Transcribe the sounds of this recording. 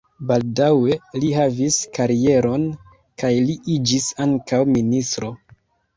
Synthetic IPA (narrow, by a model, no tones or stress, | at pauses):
baldawe̞liɦaviskaɾie̞ɾo̞n | kajliʔid͡ʒisaŋkawministɾo̞